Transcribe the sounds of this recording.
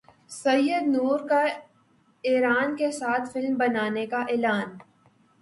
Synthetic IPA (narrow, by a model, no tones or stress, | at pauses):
sɐjːəd̪nuːɾka | eːɾaːnkesaːt̪ʰfɪlmbɐnaːnekaʔeːlaːn